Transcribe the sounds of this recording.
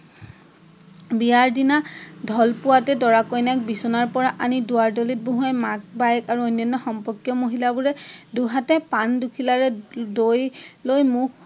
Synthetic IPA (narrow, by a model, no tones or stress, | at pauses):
bijaɹdinadʱɔlpʊwatɛdɔɹakɔjnak̚bisɔnaɹpɔɹaʔanidʊwaɹdolit̚boɦuajmak̚bajkaɹuojnjɔnːɔxɔmpɔɹkjɔmoɦilabuɹɛduɦatɛpandukʰilaɹɛdojlojmuk